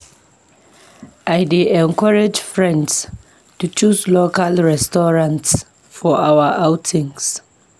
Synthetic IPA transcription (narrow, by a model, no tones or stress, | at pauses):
ʔajdeʔɛ̃nkʰɔɹad͡ʒfɹɛ̃nds | tut͡ʃuslokalɹɛstɔɹãnts | fɔʔawəʔawtʰĩŋs